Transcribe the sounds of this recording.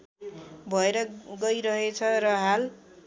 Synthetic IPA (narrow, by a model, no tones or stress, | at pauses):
bʱʌeɾʌɡʌjɾʌɦet͡sʰʌrʌɦal